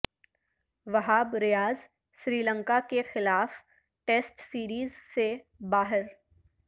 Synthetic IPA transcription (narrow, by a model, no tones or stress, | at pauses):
ʋɐɦaːbɾɪjaːz | ʃɾiːlə̃ŋkakexɪlaːf | ʈeːsʈsiːɾiːzse | baːɦɪɾ